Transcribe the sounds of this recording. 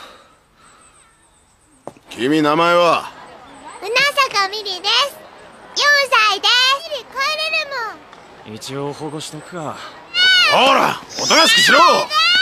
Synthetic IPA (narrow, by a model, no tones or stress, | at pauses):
kʲʰimʲinamaeβa | ɯ̟nasakamʲiɾʲid̪esɨ̥jõɰ̃said̪esɾikoeɾeɾɯmo | it͡ɕioːhoːɡoɕi̥t̪okɯ̟̥ka | oɾa̰ot̪onaɕi̥kiɕiɾo